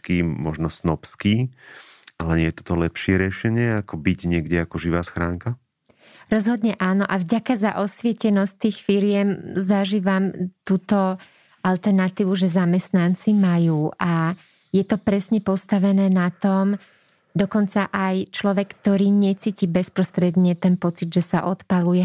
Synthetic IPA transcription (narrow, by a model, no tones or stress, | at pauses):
kiːmɔʒnɔsnɔpskiː | alɛɲɪɛjɛt̪ɔ̥t̪ɔlɛpʃɪɛɾɪɛʃɛɲɪɛakɔbiɟɲɪɛɡɟɛakɔʒiʋaːsxɾaːŋka | ɾɔzɦɔd̪ɲɛʔaːnɔʔavɟakazaʔɔsʋɪɛcɛnɔst̪iːxfiɾɪjɛmzaʒiːʋamt̪uːt̪ɔ | alt̪ɛɾnat̪iːʋuʒɛzamɛst̪nant͡simajuːʔa | jɛt̪ɔpɾɛsɲɛpɔst̪aʋɛnɛːnat̪ɔm | d̪ɔkɔnt͡saʔajt͡ʃlɔʋɛkːt̪ɔɾiːɲɛt͡siːciːbɛspɾɔst̪ɾɛd̪ɲɛt̪ɛnpɔt͡sid̪ʒɛsaʔɔt̪palujɛ